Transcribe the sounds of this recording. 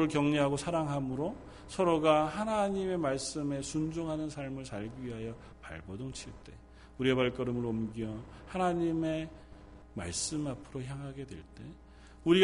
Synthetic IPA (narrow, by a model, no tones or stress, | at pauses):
ɾɯɭkjʌŋɲeɦaɡosʰaɾaŋɦamɯɾo | sʰʌɾoɡaɦanaɲime̞maɭs͈ɯme̞sund͡ʑoŋɦanɯnsʰaɭmɯɭsaɭɡiɥiɦajʌ | pa̰ɭbʌdoŋt͡ɕʰiɭt͈e̞ | uɾiebaɭk͈ʌɾɯmɯɾʌmɡiʌ | hanaɲime̞ | ma̰ɭs͈ɯmapʰɯɾoçjaŋɦaɡe̞dwe̞̰ɭt͈e̞ | uɾi